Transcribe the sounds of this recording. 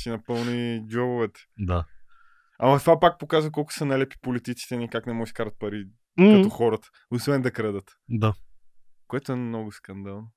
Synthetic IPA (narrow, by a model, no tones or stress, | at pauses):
sinɐpɤlˠnid͡ʒɔbovɛt̪ɛ̥d̪a | amɐt̪ovapak̚pokazvəkɔlˠkʊ̥sənalɛpi̥polit̪it̪si̥t̪ɛnikaknɛmɔɡɛʃkaɾət̪̚pɐɾi | kɐɔxɔɾət̪ə̥ | ʊsvɛnd̪ɐkɾɛd̪ət̪ | d̪a | koɛt̪oɛmnɔɡʊskɐnd̪alˠno